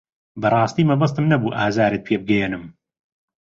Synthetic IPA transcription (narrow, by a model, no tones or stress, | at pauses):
bɐrˤɑːst̪iːmɐbɐs̬t̪ɨmnɐbuːʔaːzaːɾeːt̪̚pʰeːbɨɡɛjɛnɨm